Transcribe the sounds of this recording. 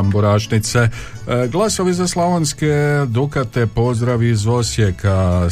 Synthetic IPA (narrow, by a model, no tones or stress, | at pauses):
mboɾaːʃnit̪se | ɡlˠaso̞ʋizaslˠoʋonsked̪ukat̪epo̞zd̪ɾaʋizo̞sjeka